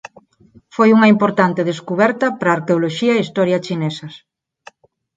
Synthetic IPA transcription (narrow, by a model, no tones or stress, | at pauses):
fojuŋɐimpoɾt̪ant̪eðeskuβɛɾt̪ɐpɾaːɾkeoloʃiɐeist̪ɔɾjɐt͡ʃinesɐs